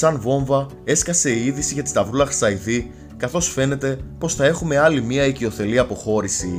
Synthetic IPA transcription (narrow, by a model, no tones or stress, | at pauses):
sɐnvo̞ɱvɐ | e̞skɐse̞iiðisiʝɐt̪i̥st̪ɐvɾulɐxɾsɐiθi | kɐθo̞sfe̞ne̞t̪e̞po̞sθɐe̞xume̞ɐlimiɐicio̞θe̞liɐpo̞xo̞ɾisi